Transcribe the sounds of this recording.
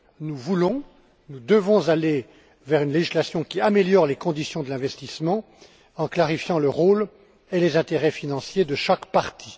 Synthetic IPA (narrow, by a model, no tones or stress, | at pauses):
nuvulɔ̃ | nud̪əvɔ̃zale | vɛʁynleʒislasjɔ̃kʲiameljɔʁlekɔ̃d̪isjɔ̃d̪əlɛ̃vɛst̪ismɑ̃ | ɑ̃klaʁifjɑ̃ləʁol | elezɛ̃t̪eʁɛfinɑ̃sjed̪əʃakpaʁt̪ʰi̥